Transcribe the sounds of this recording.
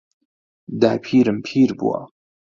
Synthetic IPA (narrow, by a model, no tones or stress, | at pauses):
d̪aːpʰiːɾəmpʰiːɾbṵa̰